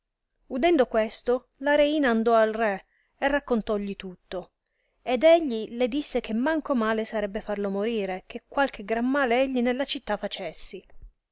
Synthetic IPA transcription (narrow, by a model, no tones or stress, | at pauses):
ud̪ɛnd̪okwest̪o | laɾeiːnaːnd̪ɔalrɛ | erːakːont̪ɔʎːit̪ut̪ːo | ed̪eʎːiled̪isːek̟ʰemːaŋkomaːlesaɾɛbːefarlomoɾiːɾek̟ekːwalk̟eɡɾamːaːleɛʎːinelːat͡ʃit̪ːafat͡ʃesːi